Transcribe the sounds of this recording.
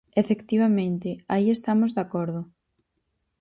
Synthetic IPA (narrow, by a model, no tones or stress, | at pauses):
efekt̪iβ̞amẽnt̪ɪaiest̪amozðakɔɾðʊ